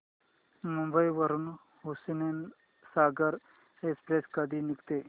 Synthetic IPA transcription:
mũmbəiʋəɾun | ɦusnen | saːɡəɾ | ekspɾeskɐd̪ʱinikt̪e

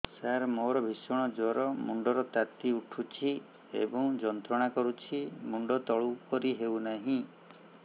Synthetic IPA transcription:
saɾmoɾɔbʱisɔɽ̃ɔd͡ʒɔɾɔmuɳɖɔɾɔt̪at̪iuʈʰut͡ʃʰi | ḛbɔ̃ŋd͡ʒɔnt̪ɾɔɽ̃akɔɾut͡ʃʰimuɳɖɔt̪ɔɭupɔɾiɦewnaɦĩ

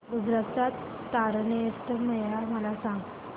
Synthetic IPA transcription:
ɡud͡zɾat͡sat̪ː | aɾnəjəst̪əməjlaməlasãŋɡ

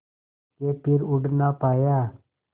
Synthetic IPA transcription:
kepʰɪɾʊɖnaːpaːjaː

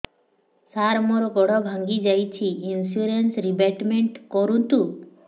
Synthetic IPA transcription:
saɾmɔɾɔɡɔɽɔbʱaŋɡid͡ʒajt͡ɕʰiinsuɾensɾibeʈmeɳʈkɔɾunt̪u

